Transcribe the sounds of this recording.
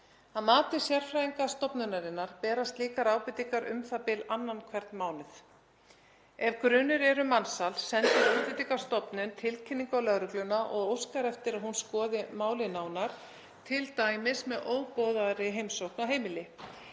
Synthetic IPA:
aðmaːt̪ɪ̥sjɛɾ̥fɾaiŋkast̪ɔpnʏnaɾɪnːaɾ̥pɛːɾast̪liːkaɾaːwpɪt̪ikaɾʔʏ̰mθapɪlanːankʰvɛɾ̥t̪nmaːwnɪθ | ɛvkɾʏːnʏɾɛɾʏmansalsɛnt̪ɪɾawpɪt̪ikḁst̪ɔpnʏnt̪ʰɪlcʰɪnːiŋkawlœɣɾʏklʏnaʔɔɣowskaɾɛft̪ɪɾaðɦunskɔːðɪmaːwlɪnaːwnaɾ̥ | t̪ʰɪlt̪aːjmɪsmɛðʔoːwpɔːðaɾɪɦejmsowhknaɦeːjmɪlɪ

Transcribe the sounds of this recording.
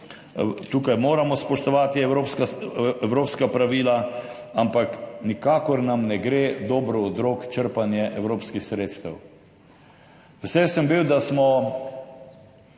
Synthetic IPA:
t̪uːkajmoːɾamɔspɔʃt̪ɔʋaːt̪iɛɾopskaɛwɾoːpskapɾaʋiːla | ampaknikaːkɔɾnamnɛɡɾeːd̪ɔːbɾɔɔd̪ɾokt͡ʃəɾpanjɛʔɛwɾoːpskixsɾeːt̪st̪əw | ʋɛsɛsəmbiwd̪asmɔ

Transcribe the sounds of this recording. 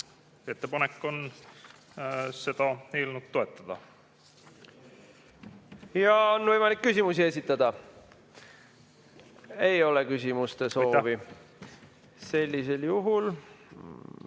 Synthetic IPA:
e̞t̪ːepɑnekːˑo̞n | se̞d̪̥ɑelnud̪̚t̪o̞e̞t̪ːˑɑd̪̥ɑ | jɑonvɤjmɑlikːysʲimusie̞s̬ʲit̪ːˑɑd̪̥ɑ | e̞jo̞le̞kys̬ʲimust̪e̞so̞ːvi | se̞lʲːise̞ljuɦul

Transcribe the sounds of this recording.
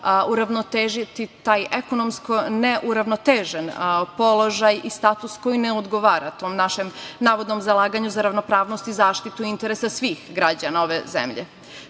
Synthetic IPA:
uɾaʋnot̪eːʒit̪it̪aːjekonomskoneʔuɾaʋno̞t̪eːʒenpo̞lo̞ʒajist̪aːt̪usko̞jineod̪ɡo̞ʋaːɾat̪o̞ːmnaʃemnaːʋo̞d̪no̞mzalˠaːɡaɲuzaɾaʋno̞pɾaːʋnost̪izaːʃt̪it̪uiint̪e̞ɾesasʋiːxɡɾad͡ʑanao̞ʋezḛmʎḛ

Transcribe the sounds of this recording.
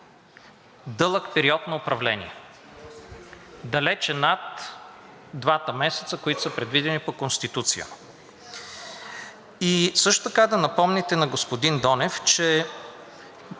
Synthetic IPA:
d̪ɤlˠəkpɛɾiɔt̪noopɾɐvlɛnḭɛ | d̪ɐlɛt͡ʃɛnat̪ | d̪vat̪əmɛsɛ̥t̪səkoit̪ʊ̥səpɾɛd̪vid̪ɛnipokonst̪it̪ut̪sijə̰ | isɤʃt̪o̥t̪ɐkad̪ɐnɐpɔmnɛt̪ɛnɐɡospod̪ind̪ɔnɛft͡ʃɛ

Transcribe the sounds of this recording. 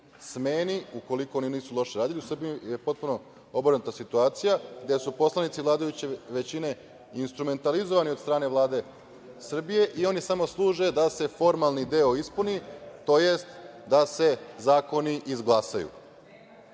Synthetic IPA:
smeːniuko̞liko̞oniniːsulˠo̞ʃeɾaːd̪iliusr̩biije̞po̞t̪̚puno̞ | o̞bɾnut̪asit̪uaːt̪sijaɡd̪e̞supo̞slˠanit̪siʋlˠaːd̪ajut͡ɕeʋe̞t͡ɕine̞ | inst̪ɾume̞nt̪alizo̞ʋaniod̪st̪ɾaːne̞ʋlˠaːd̪e̞ | sr̩bije̞ʔio̞nisamo̞slˠuːʒe̞d̪ase̞fo̞ɾmalˠnid̪e̞oispunit̪o̞je̞st̪d̪ase̞zaːko̞niʔizɡlˠasajṵ

